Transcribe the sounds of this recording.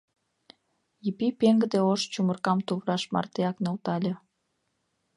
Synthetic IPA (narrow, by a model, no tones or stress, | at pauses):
jipipeŋɡəd̪eoʃt͡ɕumərkɑmt̪uβɾɑʃmɑ̰rt̪eɑknolt̪ɑlʲe